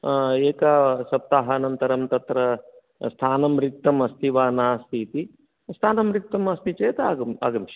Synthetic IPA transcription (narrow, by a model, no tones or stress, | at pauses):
eːkɐsɐp̚t̪aːɦɐːnɐnt̪ɐɾɐmt̪ɐt̪ɾɐ | st̪ʰaːnɐmɾik̚t̪ɐmɐst̪ʰiʋaːnaːst̪ʰiːt̪i | st̪ʰaːnɐmɾik̚t̪ɐmɐst̪it͡ʃeːt̪ɐaːɡɐma̰ːɡɐmʃi̥